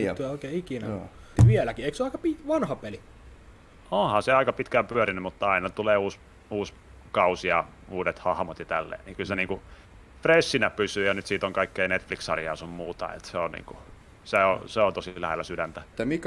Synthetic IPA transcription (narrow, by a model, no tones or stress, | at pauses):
t̪yoˑikeːikinæʋielækieiksoɑˑikɑpiʋɑnhɑpeli | õːhɑseɑikɑpit̪kæmpyøɾinːymut̪ːɑɑinɑt̪uleːuːs | uːs | kɑusiɑ | uːdet̪hɑhmot̪jɑt̪ælːḛːniːkylseniːŋku | fresːinæpysyːjɑnyt̪siːt̪oŋkɑikːeinet̪fliksɑrjɑusummuːt̪ɑ̰ḛt̪seonnḭːŋku | seoseont̪osilæhelːæsydænt̪æmik